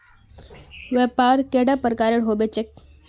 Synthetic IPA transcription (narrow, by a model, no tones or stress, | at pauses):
ʋepaːɾkeɽapəɾkaɾeɽɦobet͡ɕek̚